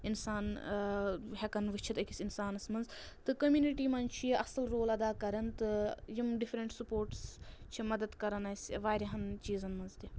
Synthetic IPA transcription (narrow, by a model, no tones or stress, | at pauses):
insaːn | ɦɛkɐnʋɨt͡ʃʰit̪ɐkʲisʲinsaːnɐsmɐnz | t̪ɨkɐmjuːniʈiːmɐnt͡ʃʰijiʔɐsɐlɾoːlɐd̪aːkɐɾɐnt̪ɨjimɖifɾɐɳʈsupoːɾʈst͡ʃʰimɐd̪ɐd̪kɐɾɐnɐsʲʋaːɾʲɐɦɐnt͡ʃiːzɐnmɐnzd̪ʲi